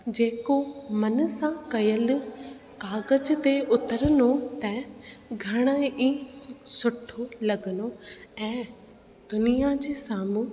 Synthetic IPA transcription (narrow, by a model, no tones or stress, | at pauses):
d͡ʑeːkomɐnəsãkɐjəl̆ | kaːɣəd͡ʑt̪eʊt̪əɾənot̪ɐɡʱɐɽ̃əĩsʊʈʰolɐɡənoɛ̃ː | d̪ʊnijad͡ʑeːsaːmũ